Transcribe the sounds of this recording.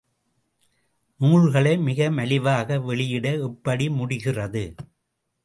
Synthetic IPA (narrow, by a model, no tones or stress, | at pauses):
nuːɻɣɐɭɐɪmɪɣɐmɐlɪʋaːɣɐʋɛɭɪjɪɽɐɪpːɐɽimʊɽɪɣɪrɐðɯ